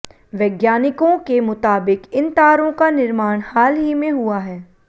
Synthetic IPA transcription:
ʋɛːɡjaːnɪkõkemʊt̪aːbɪkɪnt̪aːɾõkanɪɾmaːɽ̃haːlɦimẽɦuaɦɛː

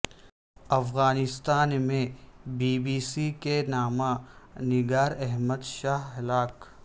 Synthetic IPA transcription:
ɐfɣaːnɪst̪aːnmẽbiːbiːsikenaːmãnɪɡaːɾɛɦməd̪ʃaːɦɦlaːk

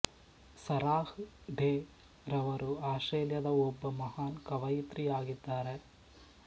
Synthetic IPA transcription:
sɐɾaːhɖeː | ɾɐʋɐɾuaːʂʈɾeːljɐd̪ɐɔbːɐmɐɦaːnkɐʋɐjit̪ɾijaːɡid̪ːaːɾe

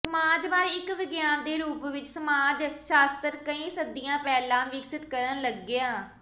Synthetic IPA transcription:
səmaːd͡ʒbaːɾɪkʋɪɡjaːnd̪eːɾuːpʋɪt͡ʃsəmaːd͡ʒʃaːst̪əɾkəĩːsəd̪ijãːpɛːlãːʋɪksɪt̪kəɾənləɡːɪjaː

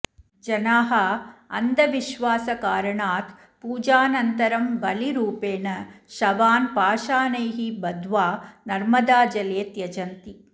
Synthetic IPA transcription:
d͡ʒɐnaːɦɐɐ̰nd̪ʱɐʋiʃʋaːsɐkaːɾɐɳaːt̪ | puːd͡ʒaːnɐnt̪ɐɾɐmbɐliɾuːpeːnɐʃɐʋaːnpaːʃaːnɐjɦibɐd̪ʋaːnɐɾmɐd̪aːd͡ʒɐleːt̪jɐd͡ʒɐnt̪i

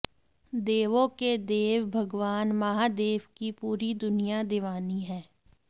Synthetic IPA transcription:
d̪eːʋõked̪eːʋbʱəɡʋaːnmaɦaːd̪eːʋkipuːɾid̪ʊnɪjad̪ɪʋaːniɦɛː

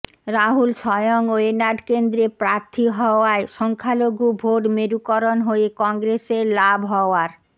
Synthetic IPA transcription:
ɾaɦulʃɔjoŋoenaɖkend̪ɾepɾaɾt̪ʰiɦɔoaeʃɔŋkʰaloɡubʱoʈmeɾukɔɾonɦoekɔŋɡɾeseɾlabʱɦɔoaɾ

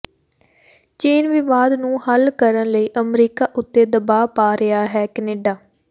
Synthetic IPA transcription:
t͡ʃeːnʋɪʋaːd̪nũːhəlkəɾənləiːʔəmɾiːkaːʔʊt̪ːeːd̪əbaːpaːɾɪaːɦɛːkɛneːɖaː

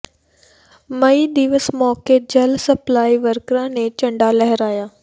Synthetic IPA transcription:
mɐid̪iʋəsmɔːked͡ʑɐlsɐplaːiʋəɾkɾãnẽt͡ɕɐ̃ɳɖalɛɦəɾaːjaː

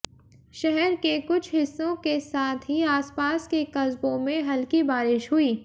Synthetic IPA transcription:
ʃɛɦɛɾkekʊt͡ʃʰɦɪsːõkesaːt̪ʰɦiaːspaːskekɐzbõmẽɦɐlkibaːɾɪʃɦʊiː

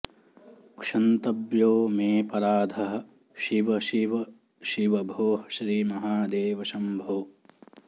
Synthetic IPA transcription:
kʂɐnt̪ɐbjoːmeːpɐɾaːd̪ʱɐɦɐ̆ | ʃiʋɐʃiʋɐ | ʃiʋɐbʱoːɦɐʃɾiːmɐɦaːd̪eːʋɐʃɐmbʱoː

